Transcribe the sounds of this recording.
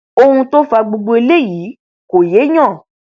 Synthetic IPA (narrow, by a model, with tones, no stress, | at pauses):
o˧hũ˧to˦fa˧ɡ͡bu˧ɡ͡bo˧e˧le˦ji˨˦ | ko˨je˨˦ɲɔ̃˦˨